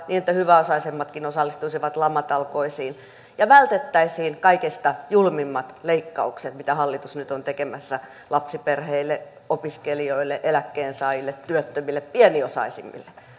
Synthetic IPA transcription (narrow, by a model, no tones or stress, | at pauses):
niːnet̪ːæhyʋæosɑisemːɑt̪kinosɑlːist̪uisiʋɑt̪lɑmːɑt̪ɑlkoisiːn | jɑʋælt̪et̪ːæisiːnkɑikist̪ɑjulmimːɑt̪leikːɑukset̪mit̪æhɑlːit̪usnyt̪ont̪ekemæsːæ | lɑpsiperheilːe | opiskelioilːeʔelækːeːnsɑːjilːet̪tyøt̪ːømilːeppiɛniosɑ̰isimːḭlːe